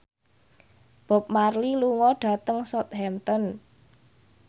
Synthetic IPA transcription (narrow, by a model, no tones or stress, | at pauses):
b̥ɔ̤p̚marliluŋɔɖ̥a̤t̪əŋsɔt̪̚hɛmt̪ɔn